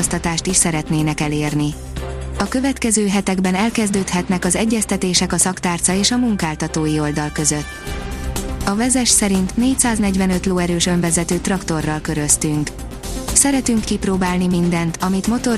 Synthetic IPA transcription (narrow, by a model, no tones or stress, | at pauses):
ost̪ɒt̪aːʃt̪iʃsɛɾɛt̪neːnɛkɛleːrni | ɒkø̞vɛt̪kɛzøːɦɛt̪ɛɡbɛnɛlkɛzd̪øːt̪hɛt̪nɛkɒzɛɟːɛst̪ɛt̪eːʃɛkɒsɒkt̪aːrt̪sɒeːʃɒmuŋkaːlt̪ɒt̪oːjio̞ld̪ɒlkø̞zøt̪ː | ɒvɛzɛʃsɛɾint̪neːc̚saːznɛɟvɛnø̞t̪loːɛɾøːʃø̞ɱvɛzɛt̪øːt̪rɒkt̪o̞rːɒlkø̞ɾø̞st̪yŋk | sɛɾɛt̪yŋkːiproːbaːlnimind̪ɛnt̪ɒmit̪mo̞t̪o̞